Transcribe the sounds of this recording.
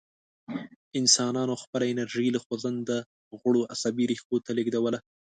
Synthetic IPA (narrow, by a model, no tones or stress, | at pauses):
ɪnsɑnɑnoxpəlaɪnaɾʒilaxozand̪ə | ɣʊɽoʔasabiɾixkot̪aleɡd̪awəla